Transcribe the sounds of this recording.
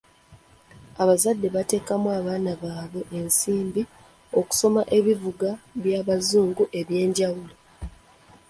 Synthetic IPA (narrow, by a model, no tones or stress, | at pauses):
aβazadːe̞βate̞ːkamwaβaːnaβaːβwe̞ʔensiːmbi | o̞ku̥so̞maʔe̞βivuɡaβjaːβazuːŋɡuʔe̞βje̞ːɲɟawulo